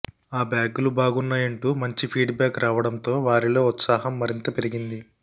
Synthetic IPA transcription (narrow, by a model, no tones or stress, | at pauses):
aːbjaːɡulubaːɡunːaːjɐɳʈuːmɐɲt͡ʃipʰiːɖbjaːkɾaːʋɐɽɐnt̪o̞ːʋaːɾilo̞ːut̪saːɦɐmːɐɾint̪ɐpe̞ɾiɡind̪i